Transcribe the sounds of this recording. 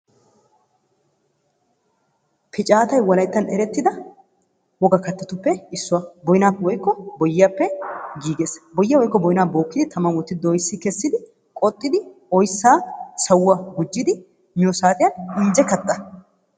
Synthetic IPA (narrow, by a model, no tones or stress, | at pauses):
pʰɪt͡ʃʼaːt̪ɐjwɐlɐjt̪ːɐnɛ̰ɾɛt̪ːɪd̪ɐ | wɔɡɐkɐt̪ːɐt̪ʊpːɛɪsːʊwɐbɔjɪnaːpːɛwɔjkːɔbɔjːaːpːɛɡiːɡe̞ːsbɔjːɐwɔjkːɔbɔjɪnaːbo̞ːkːɪd̪ɪt̪ʰɐmɐwɔt̪ːɪd̪ɔjsːɪkɛsːɪd̪ɪ | kʼɔt̪ʼːɪd̪ɪ | ɔjsːaːsɐwʊːɐɡʊd͡ʒːɪd̪ɪ | mɪjɔsaːt̪ʼɪjɐnɪnd͡ʒɛkɐt̪ʼːɐ